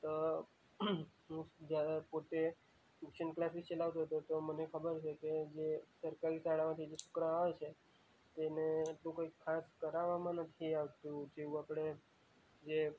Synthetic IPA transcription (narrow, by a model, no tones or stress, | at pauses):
t̪o | ɦũd͡ʒjapot̪e | sukʃənklasist͡ʃəlaʋt̪oɦət̪ot̪omənekʰəbəɾt͡ʃʰeked͡ʒesəɾkaɾisaɭamãt̪ʰid͡ʒesu̥kɾaaʋet͡ʃʰe | t̪eneːʈlũkoikʰːaskəɾaʋamãnət̪ʰiaʋt̪ũd͡ʒeʋũapɽ̃e | d͡ʒe